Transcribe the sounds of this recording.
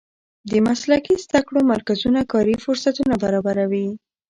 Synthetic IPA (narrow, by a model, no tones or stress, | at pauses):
d̪əmaslakizd̪akɽomaɾkazunakɑɾifʊɾsat̪unabaɾɑbaɾawi